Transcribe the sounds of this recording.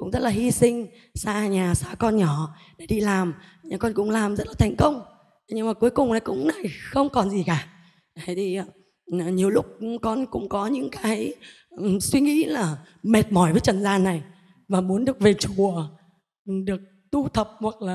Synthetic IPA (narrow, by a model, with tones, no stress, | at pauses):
kʊ̰˧˥ŋ͡mzə˦˥t̚laː˨˩hi˧sï˧ŋ̟ | saː˧ɲaː˨˩saː˧kɔ˧nɲɔ˧˩ | ɗe˧˩ɗi˧laː˨˩mɲaː˨˩kɔ˧nkʊ̰˧˥ŋ͡mlaː˨˩mzə˦˥t̚laː˨˩t̪ʰjŋ̟kə˧wŋ͡m | ɲɨ˧ŋmaː˨˩ku˨˦əjkʊ˨˩ŋ͡mnaː˨˩jkʊ̰˧˥ŋ͡mna˨˩jxə˧wŋ͡mkɔ˨˩nzi˨˩kaː˨˩ | a˨˦jt̪ʰi˧˩˨ | ɲi˨˩əwlʊ˦˥k͡p̚kɔ˧nkʊ̰˧˥ŋ͡mkɔ˨˦ɲɨ̰˧˥ŋkaː˨˦j | swi˧ŋḭ˧˥laː˨˩ | me˨˩t̚mɔ˨˩jvəː˨˦t͡ɕə˨˩nzaː˧nːa˨˩j | vaː˨˩mu˨˦nɗɨ˨˩ək̚ve˨˩t͡ɕu˨˩ə˨ | ɗɨ˨˩ək̚ | t̪u˧t̪ʰə˨˩p̚hwa˨˩k̚laː˨˩